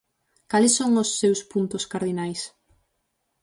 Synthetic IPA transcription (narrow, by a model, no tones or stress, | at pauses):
kalɪsːoŋʊsːewspunt̪ʊskaɾðinajs